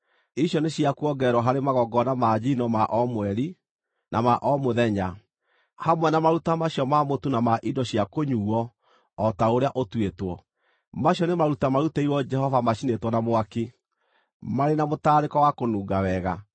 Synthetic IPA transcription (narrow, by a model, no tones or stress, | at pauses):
iɕjɔneɕjakuɔɡɛɾwɔɦaɾemaɣɔɡɔnamaːd͡ʑinɔmaʔɔmwɛɾi | nʔa̰maʔɔmoðɛɲa | hamwɛnamaɾutamaɕjɔmamotunamaʔidɔɕjakoɲuɔː | taoɾeaʔotwetwɔ | maɕjɔnemaɾutamaɾuteiɾwɔd͡ʒɛhɔvamaɕinetwɔnamoake | maɾenamotaːɾekɔwakonuːɡawɛɣa̰